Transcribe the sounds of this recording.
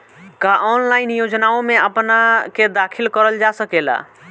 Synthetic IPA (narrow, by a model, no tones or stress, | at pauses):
kaʔɔnlajinjod͡ʒnaomeəpnaked̪akʰilkəɾəld͡ʒasəkela̰